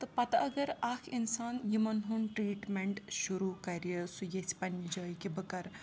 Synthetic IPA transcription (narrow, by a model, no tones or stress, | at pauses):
t̪ɨpɐt̪ɐɐɡɐɾakʰinsaːnjimɐnɦunʈɾiːʈmeɳʈʃuɾukɐɾijəsujet͡sʰpɐnid͡ʒɐːjkibɨkɐɾ